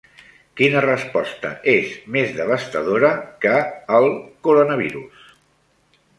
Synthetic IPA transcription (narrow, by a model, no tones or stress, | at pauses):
kinərəspɔst̪ə̰ʔezmezðəβ̞əst̪əðoɾəkəːlˠkuɾonəβ̞iɾus